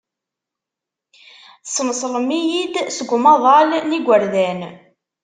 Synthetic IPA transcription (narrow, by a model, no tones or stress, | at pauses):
θsːməsˤlˤəmijid̪səɡʷːmɑðˤɑlniɡʷəɾðæn